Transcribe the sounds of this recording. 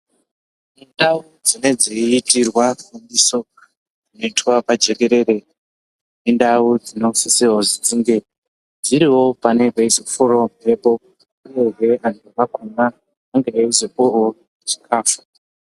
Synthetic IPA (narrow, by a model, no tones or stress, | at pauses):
indau | d͡zine̞d͡ziitirwafundiso̞ | ino̞itwapad͡ʒe̞ke̞ɾe̞ɾe̞ | nindaud͡zino̞fisewozid͡ziŋɡe | d͡ziɾiwo̞pane̞beisfoɾomrepo | aɡeɦeʔandʋakunaː | ŋɡeaizepoo | t͡ʃi̥kʰaːfu̥